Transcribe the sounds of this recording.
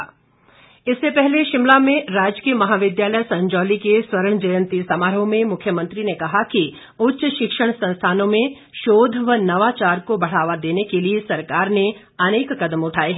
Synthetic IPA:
ɪsːepɛɦleʃɪmlamẽɾaːd͡ʒkiəmɐɦaːʋɪd̪jaːləjsɐ̃ɲd͡ʒɔːlikeswɐɾəɽ̃d͡ʒɐjə̃nt̪isamaːɾõmẽmʊkʰjəmə̃nt̪ɾinekɐɦaki | ʊtːʃəʃɪkʃəɽ̃sɐ̃nst̪ʰaːnõmẽ | ʃoːd̪ʱʋənɐʋat͡ʃaːɾkobɐɽ̤aːʋad̪eːnekeliesɐɾkaːɾne | ɐneːkːɐd̪əmʊʈʰaːeɦɛ

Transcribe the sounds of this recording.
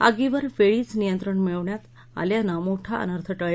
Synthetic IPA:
a̰ɡiʋəɾfeɭiːt͡snijənt̪ɾəɳmiɭəʋɳjat̪ | a̰ljanamoʈʰaə̰nəɾt̪ʰəʈəɭ

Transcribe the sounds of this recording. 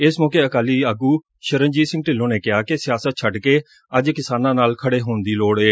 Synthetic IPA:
ɪsmɔːkeːəkaːliːəɡuː | ʃəɾənd͡ʒiːsɪ̃ŋɡʈɪlːõːneːkɪɦaːkɪsɪjaːsət̪̚t͡ʃʰəɖkeː | əd͡ʒkɪsaːnãːnaːlkʰəɽeːɦoːnd̪iːloːɽeː

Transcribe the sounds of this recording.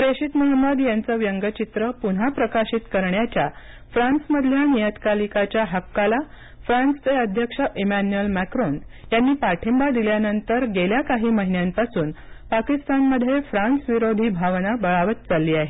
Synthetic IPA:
pɾeɕit̪muɦəməd̪jant͡səʋjəŋɡət͡ɕit̪ɾəpun̤apɾəkaɕit̪kəɾɳjat͡ɕja | fɾãnsməd̪ʱljanijət̪kalikat͡ɕjaɦakːala | fɾanst͡seəd̪ʱjəkʂəʔemænuəlmækɾonjanːiːpaʈʰimbad̪iljanənt̪əɾɡeljakaɦiːməɦinjampasuːn | pakist̪anməd̪ʱːjefɾansʋiɾod̪ʱiːbʱaʋnabəɭaʋət̪t͡salːiːaɦe

